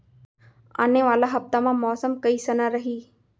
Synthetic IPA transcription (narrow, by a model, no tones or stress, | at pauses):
a̰ːneʋaːlaɦɐft̪amãːmɔːsəmkəiːsənaːɾəɦiː